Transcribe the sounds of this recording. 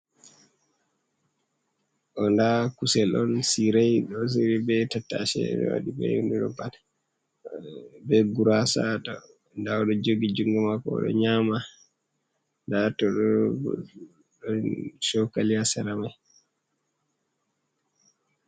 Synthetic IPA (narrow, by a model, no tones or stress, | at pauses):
ʔɔndakusɛlɔnsiɾajɗɔs̬iɾibɛtatːa̰ʃɛ̰ɗɔ̰wa̰ɗibɛ̰induɗɔban | bɛɡuɾasatɔ | ndaɔɗɔd͡ʒoɡid͡ʒuŋɡɛmakɔ̰ɗɔ̰ɲama | ndatɔɗɔ | ɗɔnʃɔwkalijasaɾamaj